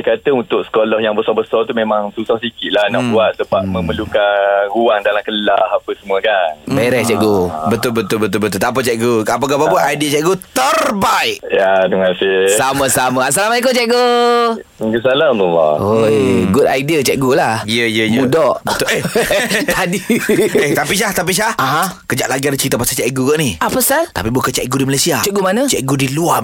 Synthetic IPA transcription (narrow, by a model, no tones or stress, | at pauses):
akat̪əunt̪ʊk̚sə̥kolɔhjaŋbəsɔbəsɔrt̪umemaŋsusahsikɪt̪̚lahnɔʔbuat̪̚səbap̚məməlukaɾuaŋdalamkəlahapəsəmuəkanbeɾɛt͡ʃɛʔɡobət̪ʊlbət̪ʊlbət̪ʊlbət̪ʊlt̪ap̬at͡ʃɛk̚ɡokap̬ak̬apapunajdiət͡ʃɛʔ̚ɡot̪ərbaɪʔjat̪uŋasɪsamə̃samãas̬alamaikot͡ʃɛʔɡo | ɡəsaladulɔ̰ojɡuda̰jdiət͡ʃɛʔɡulahijəjəjməũdɔʔbət̪ʊeh̪ʰ | adieht̪apis̬aht̪ap̬isahaɦãkəd͡ʒaʔlaɡiadat͡ʃɾit̪apasat͡ʃɛʔɡuɡaʔniʔapəsalt̪a̰pibukət͡ʃɛʔɡudimalajsiat͡ʃɛʔ̚ɡumanə̃t͡ʃɛʔɡudilua